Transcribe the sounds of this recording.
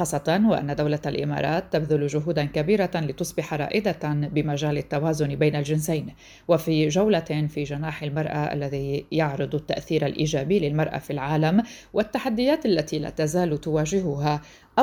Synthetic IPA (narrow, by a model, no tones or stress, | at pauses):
ɑːsˤːɑt̪ˤɑnwɪʔa̰nːad̪awlaalʔɪ̰mɑ̰ːɾˤɑːt̪ːabðʊlʒʊɦuːd̪ankabiːɾalɪt̪ʊsˤbɪħɑɾˤɑ̰ːʔɪd̪abɪmaʒaːlɪt̪ːawaːzʊnbejnalʒɪnsajn | wafiʒawlafiːʒanaːħɪlmɑɾˤʔaʔa̰lːaðijɑʕɾɨd̪ˤat̪ːa̰ʔθiːɾalʔḭːʒaːbiːlɪlmɑɾˤʔa̰filʕaːlamwʔat̪ːaħad̪ːɪjaːt̪ʔalːat̪ila̰ːt̪azaːlt̪ʊwaːʒɪɦʊɦa | ʔ